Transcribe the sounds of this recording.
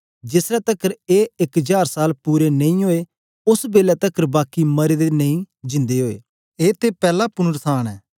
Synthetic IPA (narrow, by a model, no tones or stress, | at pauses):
d͡ʒɪsɾɛːt̪əkəɾeːɪkd͡ʒaːɾsaːlpuːɾenə̃ĩːɦoːeː | ʊsbeːlɛt̪əkəɾbaːkiməɾeːd̪eːnəĩː | d͡ʒɪ̃nd̪eɦoːḛː | eːt̪epɛːlaːpʊnəɾsʰaːɽɛː